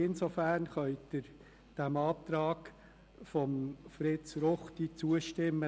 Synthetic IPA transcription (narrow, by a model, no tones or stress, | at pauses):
ɪnsofæːɾnχœʏ̥ɪɾ | d̥æmɑːp̚t̪ɾɑːk | fɔmfɾɪtt͡sɾɔχt̪it͡suəʃtɪmːə